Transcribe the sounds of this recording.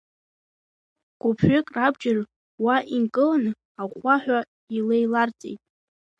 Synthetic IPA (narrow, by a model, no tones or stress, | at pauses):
ɡ̥ʷʊpʰʷʏkʼrabd͡ʒɪr | waʔinkʼɨlanɨ | aχʷaħᶣʷa | ilejlart͡sʼḛjtʼ